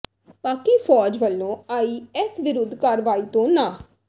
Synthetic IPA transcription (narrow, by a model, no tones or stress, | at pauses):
baːkiːfʰɔːd͡ʒʋəlːõːaːiːɛsʋɪɾʊd̪ʱːkaːɾʋaːiːt̪õːnãː